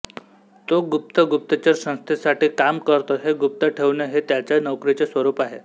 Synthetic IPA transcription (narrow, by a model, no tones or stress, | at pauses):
t̪oɡup̚t̪əɡup̚t̪ət͡ɕəɾsə̃st̪ʰesaʈiːkamkəɾt̪oɦeɡup̚t̪əʈʰeʋɳjeɦet̪jat͡ɕjanəwkɾit͡sesʋəɾuːpaɦe